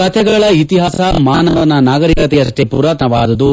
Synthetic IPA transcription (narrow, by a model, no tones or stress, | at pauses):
kɐt̪ʰɛɡɐɭɐit̪iɦaːsɐmaːnɐʋɐnːɐnaːɡɐɾikɐt̪̬ejɐsʈepṵɾaːt̪nɐʋaːd̪ɐd̪u